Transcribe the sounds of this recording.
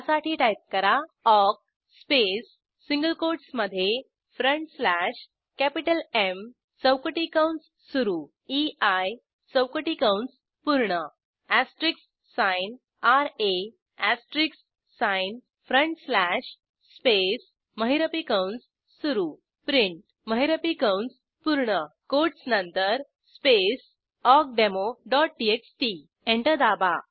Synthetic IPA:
saʈʰiːʈajp̚kəɾaɔk̚ | spesː | iŋɡəlkoɾʈsməd̪ʱːje | fɾəɳʈslæɕ | kæpiʈəlem | t͡səwkəʈikawɳʈsːuɾu | iaj | t͡səwkəʈikawɳs | puɾɳə | æsʈɾiksː | ãjn | aɾe | æsʈɾiksː | ãjn | fɾəɳʈslæɕ | spes | məɦiɾəpikawnsː | uɾu | pɾiɳʈ | məɦiɾəpikawns | puɾɳəkoʈsnənt̪əɾ | spes | ɔk̚ɖemoɖɔʈ̚ɖieksʈi | eɳʈəd̪aba

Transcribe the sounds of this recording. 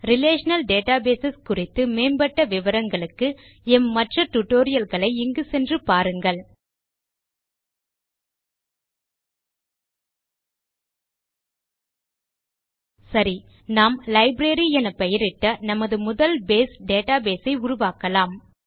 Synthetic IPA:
ɾɪleːʂɐnɐlɖeːʈaːbeːsɛskʊrɪt̪ːɯmeːnbɐʈːɐʋɪʋɐɾɐŋɡɐɭɯkːɯ | ɛmːɐʈrɐʈʊʈːoːɾɪjɐlɣɐɭɐɪɪŋɡɯsɛndrɯpaːɾɯŋɡɐɭ | sɐɾi | naːmlɐɪbɾeːɾiɛnɐpɐjɪɾɪʈːɐnɐmɐðɯmʊðɐlbeːsɖeːʈaːbeːsɐɪʊɾʊʋaːkɐlaːm

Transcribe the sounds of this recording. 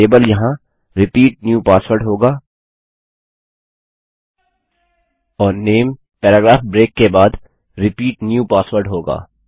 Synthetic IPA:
eːbəljɐɦã | ɾɪpiːʈ̚njuːpaːsʋəɾɖɦoːɡaː | ɔːɾneːm | pɛːɾaːɡɾaːfbɾeːkːebaːd̪ | ɾɪpiːʈnjuːpaːswəɾɖɦoːɡa̰ː

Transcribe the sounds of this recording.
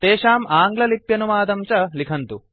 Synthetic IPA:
t̪eːʃaːmaːŋɡlɐlipjɐnumaːd̪ɐmt͡ʃɐlikʰɐnt̪u

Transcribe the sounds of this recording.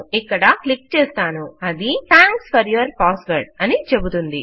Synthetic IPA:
ikːɐɽɐklik̚t͡ʃɛːst̪aːnuɐd̪it̪ʰaːŋksfɐɾjuʋɐɾpaːsʋɐɾʈɐnit͡ʃebut̪und̪i

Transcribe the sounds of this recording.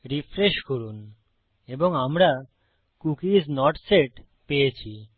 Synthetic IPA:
ɾifɾeʃkoɾun | eboŋamɾa | kukid͡ʑnɔɾʈseʈ | pejet͡ɕʰi

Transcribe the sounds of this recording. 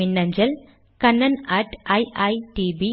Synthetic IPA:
ɪnːɐɲd͡ʒɐl | kɐnːɐnaːʈɐjʔɐjʈibi

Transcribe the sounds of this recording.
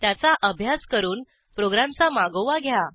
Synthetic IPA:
t̪jat͡saʔəbʱjaskəɾuːn | pɾoɡɾamt͡samaɡoʋaɡʱja

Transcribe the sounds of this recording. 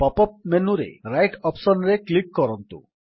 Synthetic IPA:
pɔpɔp̚menuɾḛɾajʈʰɔpsɔnɾeklikkɔɾɔnt̪ṵ

